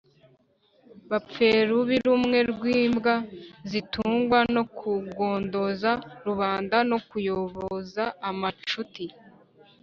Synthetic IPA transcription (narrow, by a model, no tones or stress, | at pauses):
βap͡fe̞ɾuβiɾumŋe̞ɾɡwiːmbɡazituːŋɡwano̞kʰuɡo̞ːndo̞zaɾuβaːndano̞kujo̞βozaːmat͡ʃuti